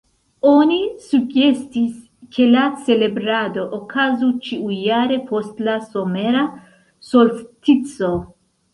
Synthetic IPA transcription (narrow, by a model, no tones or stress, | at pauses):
o̞nisuɡe̞stis | kʰe̞lat͡se̞le̞bɾado̞ʔokʰazut͡ʃiuːaɾe̞pʰostlaso̞me̞ɾa | so̞lftit͡so̞